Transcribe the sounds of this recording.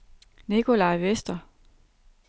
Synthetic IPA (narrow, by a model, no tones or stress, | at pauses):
nikʰo̝lɑ̈ɪʋesd̥ɐ